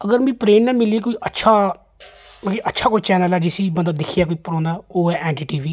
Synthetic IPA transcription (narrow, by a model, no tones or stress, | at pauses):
əɡəɾmĩːpɾeːnnɛːmɪliːk̬oiːʔətːʃʰaː | məkiːʔətːʃʰaːkoit͡ʃɛːnəlɛːd͡ʒɪsiːbənd̪aːd̪ɪkʰijaːk̬oiːpəɾɔ̃ːnd̪aːoːɛːʔɛːɳʈiːʈiːʋiː